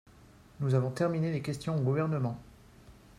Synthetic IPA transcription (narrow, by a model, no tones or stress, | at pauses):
nuzavɔ̃t̪ɛʁminelekʲɛst̪jɔ̃oɡuvɛʁnəmɑ̃